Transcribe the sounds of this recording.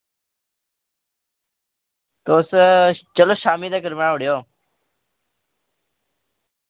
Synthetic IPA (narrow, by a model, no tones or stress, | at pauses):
t̪oːst͡ʃəloːʃaːmiːd̪aːkəɾmeːãʊɽɪjoː